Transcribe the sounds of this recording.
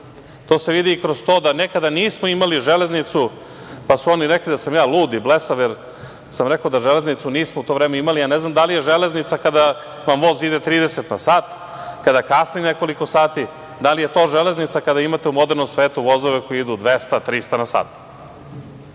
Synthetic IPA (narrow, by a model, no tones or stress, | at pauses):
t̪oːse̞ʋid̪iːkɾozt̪oːd̪anekad̪aniːsmoimaliʒele̞znit̪su | pasuo̞niɾeklid̪asamjaːlˠuːd̪iblesajeɾ | samɾekaod̪aʒeleznit̪suniːsmout̪o̞ʋvɾeːmeimalijaneznamd̪alije̞ʒeleznit̪sakad̪a | ʋamʋo̞zid̪et̪ɾiːd̪eset̪nasaːt̪ | kad̪akasnineko̞likosaːt̪i | d̪alije̞t̪o̞ːʒeleznit̪sakad̪aimat̪eumo̞d̪eɾnomsʋeːt̪uʋo̞zoʋeko̞jiid̪ud̪ʋest̪at̪ɾist̪anasa̰ːt̪